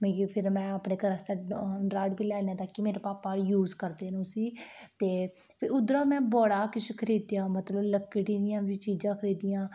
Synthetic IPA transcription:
meːipʰɪɾmɛ̃ːəpneːkəɾəsaːɖɾaːɖbiːlɛːnẽːt̪aːkːimeːɾeːpaːpaːɾjuːzkəɾd̪eːnũːsiːt̪eː | pʰɪɾʊd̪ɾaːmɛ̃ːbɔːɽaːkɪskʰəɾiːd̪jãːmət̪ləbləkːɪʈĩːd̪ɪjãːbiːt͡ʃiːd͡ʒãːkʰəɾiːd̪ijãː

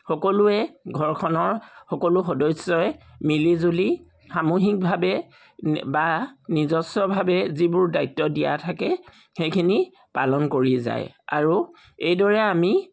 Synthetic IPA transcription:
xɔkɔlʊɛɡʱɔɹkʰɔnɔɹxɔkolʊxɔdɔjsɔj | milizuli | xamuxik̚bʱabɛ | banizɔsɔbʱabɛzibʊɹdajtːɔdija̰tʰakɛ | xejkʰini | palɔnkoɹiza̰ja̰ɹu | ejdɔɹɛami

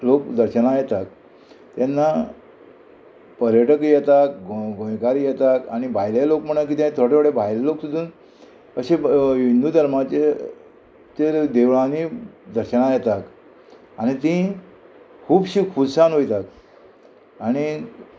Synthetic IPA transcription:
lokd̪əɾɕənajɛt̪ak̚ | t̪janːa | pəɾjəʈəkjɛt̪akɡɡʱõjkaɾijɛt̪akaɽ̃ibʱajlelokm̤əɳ̃ak̬iːt̪jãnt̪ʰoʈeoɽebʱajleloksud̪ʱuːn | əɕeʋind̪uːd̪ʱəɾmat͡ɕe | t͡ɕed̪eʋɭãnid̪əɾɕənajɛt̪ak | aɽ̃it̪ĩ | kʰuːbɕiːkʰudsanɦojt̪ak | aɽ̃i

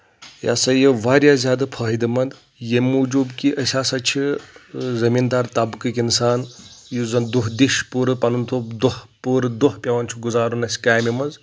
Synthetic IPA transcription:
ja̰ːsɐjɐʋaːɾʲjaːzʲjaːd̪ɐpʰɐːɦid̪ɐmɐnd̪ | jemuːd͡ʒuːbkiʔəsʲaːsɐt͡ʃʰi | zɐmiːnd̪aːɾt̪ɐbkɨkʲinsaːnjuzɐnd̪uɦd̪iʃpuːɾɨpɐnunt̪ʰoːd̪uhpuːɾd̪uhpʲɐʋɐnt͡ʃʰuɡuzaːɾunɐsʲkaːjmimɐz

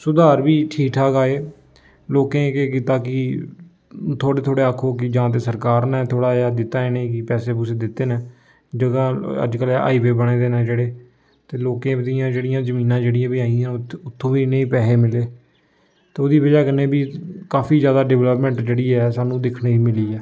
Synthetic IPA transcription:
sʊd̪aːɾbiːʈʰiːkʈʰaːɡaːeː | loːkẽːkeːk̬iːt̪aːkɪ | t̪ʰoːɽeːt̪ʰoːɽeːaːkʰːoːkɪd͡ʒãːt̪̬eːsəɾkaːɾnɛ̃ːt̪ʰoːɽaːad̪ɪt̪ːaːeːneĩːkɪpɛːseːp̬ʊsed̪ɪt̪ːeːnẽː | d͡ʒəɡãːə̰d͡ʒkəla̰ːiːʋeːbəɽ̃eːd̪eːnɛ̃ːd͡ʒeːɽeː | t̪eːloːkẽːd̪ijãːd͡ʒeːɽɪjãːzəmiːnãːd͡ʒeːɽɪjãːbiːaːiãːʊt̪ʰːõːʋiːneĩːpɛːseːmɪleː | t̪eːoːd̪iːʋəd͡ʒaːkənẽːbiːkaːpʰiːzjaːd̪aːɖɛʋləpmɛ̃ɳʈd͡ʒeːɽiːɛːsaːnũːd̪ɪkʰɽiːiːmɪliːɛː

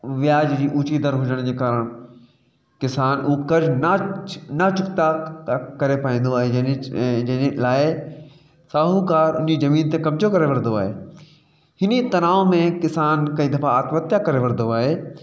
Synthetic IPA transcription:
ʋɪjaːd͡ʑd͡ʑiːʔuːt͡ɕid̪əɾɦʊd͡ʑəɽ̃d͡ʑeːkaːɾəɽ̃ | kɪsaːnʊɦokɐɾd͡ʑnanɐt͡ɕʊkt̪akɐɾepaːĩːn̆d̪oaːɦe | d͡ʑɐlaːɪ | saːɦukaːɾʊ̰nɪd͡ʑizɐmiːnt̪ẽkɐmd͡ʑokɐɾeʋɐɽnd̪oaːɦeː | hɪnit̪ɐnaːomẽkɪsaːnkɐ̃ɦĩd̪ɐfaaːt̪mət̪jakɐɾeʋɐɾnd̪oaːɦeː

